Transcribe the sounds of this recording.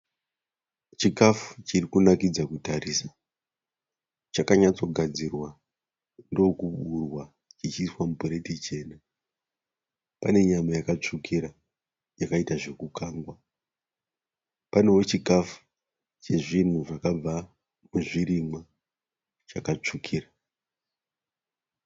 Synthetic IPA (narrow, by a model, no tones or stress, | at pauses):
t͡ʃikafu̥t͡ʃirikunakid͡zakutaɾiːsḁ | t͡ʃakaɲat͡so̞ɡʱad͡zirwa | ndookuɓurwa | t͡ʃit͡ʃiswamupoɾe̞tit͡ʃe̞ːna | pane̞ɲamajakat͡ʂukʰiɾa | jakaitaʐe̞kukaːŋɡwa | pane̞wo̞t͡ʃikafu̥ | t͡ʃe̞ʐin̤uʐakab͡va | muʐiɾimwa | t͡ʃakat͡ʂukʰiːra